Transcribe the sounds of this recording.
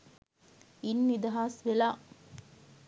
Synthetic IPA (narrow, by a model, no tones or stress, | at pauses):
inːid̪ɐɦasʋelaː